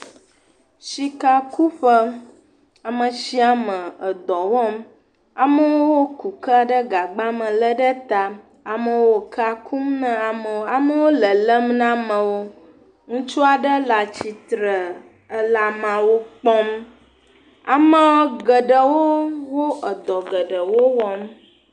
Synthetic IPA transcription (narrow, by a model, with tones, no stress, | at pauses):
ʃi˨ka˦ku˦ɸə˦ | a˨mə̃˨ʃi˦a˨mə̃˨ə˨d̪ɔ˨wɔ˦m˦ | a˨mə˦wo˦wo˦ku˨kə˦a˨ɖə˦ɡa˨ɡ͡ba˦mə̃˨lə˦ɖə˦t̪a˨ | a˨mə̃˦wo˨kʰa˦kʰu˦mnə̃˦a˨mə˨wa˨mə˦wo˦lə˨lə˦mnã˦mə̃˨wo˦ | ŋũ˦t͡ʃu˦a˨ɖə˦la˨t͡ɕi˨t̪ɾə˨ | ə˦la˨mã˨wo˦k͡pɔ˦m | a˨mə̃˦ɡə˨ɖə˨wo˦wo˦ə˨d̪ɔ˨ɡə˨ɖə˨wo˦wɔ˦m